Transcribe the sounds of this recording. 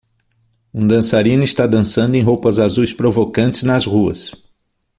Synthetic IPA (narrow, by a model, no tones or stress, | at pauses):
ũd̪ɐ̃saɾĩnʊist̪ad̪ɐ̃sɐ̃nd̪ʊẽj̃ɦowpɐzazujspɾovokɐ̃nt͡ʃɪznɐzhuɐ̰s